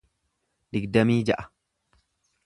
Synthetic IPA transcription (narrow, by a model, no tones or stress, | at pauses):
d̪ɪɡd̪ɐmiːd͡ʒɐʔɐ̥